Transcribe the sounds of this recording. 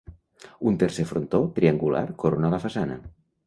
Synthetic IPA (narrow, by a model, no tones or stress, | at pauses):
unt̪eɾsefɾont̪ot̪ɾiaŋɡulʔa̰ɾkoɾonalafasanə̰